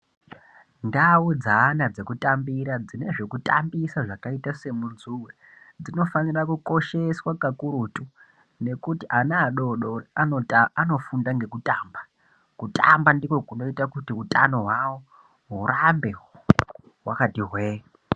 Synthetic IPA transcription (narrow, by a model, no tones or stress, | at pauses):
ndaud͡zaːnad͡ze̞kutambiɾad͡zine̞ʐe̞kuta̰mbisaʐakaitase̞munzuwe | d͡zino̞fanirakuko̞ʃe̞swakakuɾutu | ne̞kutiʔanaːɗo̞ɗooano̞fundaŋɡe̞kutamba | kutʰʼambandiko̞kuno̞itakutiutʼa̰no̞ɦwawo | ɦuɾambe̞ | wakatiɦweː